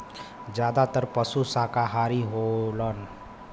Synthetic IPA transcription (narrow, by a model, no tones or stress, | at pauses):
d͡ʒjaːd̪at̪əɾpəsusakaɦaːɾiɦolən